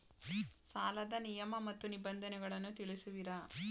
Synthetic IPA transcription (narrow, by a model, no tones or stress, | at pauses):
saːlɐd̪ɐnijɐmɐmɐt̪ːunibɐnd̪ʱɐnɛɡɐɭɐnːut̪iɭisuʋiɾɐ